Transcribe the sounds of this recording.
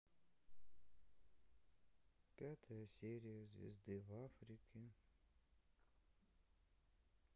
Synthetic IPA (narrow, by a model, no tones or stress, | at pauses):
pʲat̪ʰəjəsʲeɾʲɪjəzvʲɪ̰zd̪ɨvafɾʲɪkʲɪ